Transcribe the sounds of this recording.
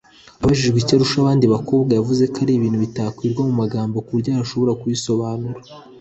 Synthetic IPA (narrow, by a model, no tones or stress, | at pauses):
aβaʒiʒɡwicaɾuʃaβaːndiβako̞ːbɡajavuze̞kaɾiβiːn̥huβitaːkwiːɾɡwamumaɡaːmbo̞kuɾɟaːɾaʃo̞βo̞ɾakujiso̞βaːnuɾa